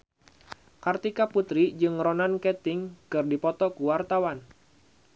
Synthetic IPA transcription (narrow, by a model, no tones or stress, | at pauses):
kart̪ikaput̪ɾid͡ʒɨŋɾɔnankɛt̪ɪŋkɨrdipɔt̪ɔkuwart̪awan